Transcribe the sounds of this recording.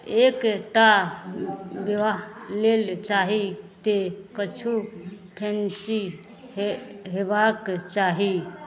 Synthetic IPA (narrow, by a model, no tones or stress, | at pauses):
ekʈa | ʋəʋaɦlelt͡ʃaɦit̪ekət͡ʃʰu | ʈʰent͡ʃi | ɦebakt͡ʃaːɦi